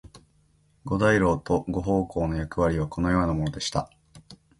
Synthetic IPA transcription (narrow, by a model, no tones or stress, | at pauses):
ɡo̞d̪aiɾo̞ːt̪o̞ɡo̞ɦo̞ːko̞ːno̞jakɯ̟βaɾʲiβ̞ako̞no̞jo̞ːnamo̞no̞d̪e̞ɕi̥t̪a̰